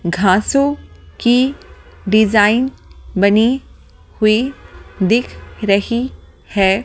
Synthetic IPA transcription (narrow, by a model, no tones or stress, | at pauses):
ɡʱãːsõki | ɖɪzaːɪnbɐne | hʊed̪ɪkʰɾɐɦi | hɛː